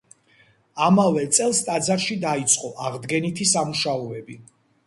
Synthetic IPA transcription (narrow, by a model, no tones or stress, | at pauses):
amavɛt̪sʼɛlˠst̪ʼad̪zaɾʃid̪ait̪sʼqʼɔʔaʁd̪ɡɛnit̪ʰisamuʃaɔɛbi